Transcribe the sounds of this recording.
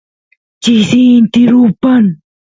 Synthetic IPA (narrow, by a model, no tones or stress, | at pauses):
t͡ʃisiːnt̪ɪɾupan